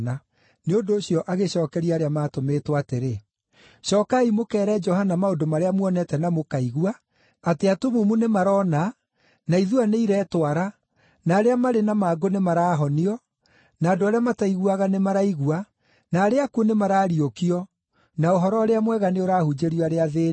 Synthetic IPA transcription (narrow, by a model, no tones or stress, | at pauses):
na | neondoːɕiɔʔaɣeɕɔːkɛɾiaːɾeamaːtometwateɾe | ɕɔːkaimokɛːɾɛd͡ʒɔhanamaondomaɾeamwɔnɛtɛnamokaiɣua | ateatomumunemaɾɔna | naiðuaneiɾɛːtwaɾa | naːɾeamaɾenamaɡonemaɾaːɦɔniɔ | naːdoaɾeamataiɣwaɣanemaɾaiɣua | naːɾeakuonemaɾaːɾiokiɔ | naoɦɔɾɔɾeamwɛɣaneoɾaːhud͡ʒeɾiaɾeaðeː